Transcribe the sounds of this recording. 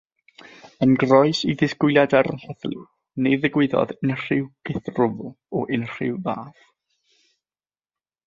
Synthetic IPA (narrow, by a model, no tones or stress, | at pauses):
ənɡrɔɨsiðɪskwʊɨljadaɾəhɛθlɪ̰ | neðɪɡwɪðɔ̰ðɪnr̥ɪwɡ̥ɪθrʊvl̩ˠ | ɔʔɪnr̥ɪ̰wva̰ːθ